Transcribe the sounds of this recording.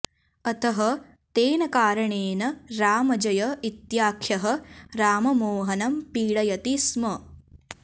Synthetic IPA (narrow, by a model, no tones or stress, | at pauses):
ɐt̪ɐɦɐ | t̪eːnɐkaːɾɐɳeːnɐɾaːmɐd͡ʒɐjɐit̪jaːkʰjɐɦɐ̆ɾaːmɐmoːɦɐnɐmpiːɽɐjɐt̪ismɐ